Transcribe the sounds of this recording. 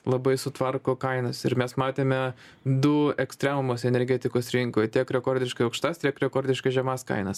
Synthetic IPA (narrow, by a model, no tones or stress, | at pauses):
lˠɐbɐɪsʊt̪ʋɐrkoːkɐɪnɐsɪɾmʲɛsmɑːt̪ʲeːmʲɛ | d̪ʊɛksʲt̪ʲɾʲɛmʊmoːsɛnʲɛɾʲɡʲɛt̪ʲɪkoːsɾʲɪŋkoːjt̪ʲiɛkɾʲɛkoːɾʲd̪ʲɪʃkɐɪɐʊkʃt̪ɐst̪ʲiɛkɾʲɛkoːɾʲd̪ʲɪʃkɐʒʲɛmɑskɐ̰ɪnɐs